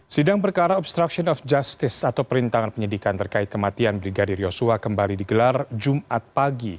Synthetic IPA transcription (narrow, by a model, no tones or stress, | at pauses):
sidaŋpərkaɾaɔbst̪ɾaksiɔnɔfd͡ʒast̪ɪsat̪awpəɾint̪aŋanpəɲədikant̪ərkaɪt̪̚kəmat̪ianbɾiɡadirjosuakəmbalidiɡəlard͡ʒumʔat̪̚paɡi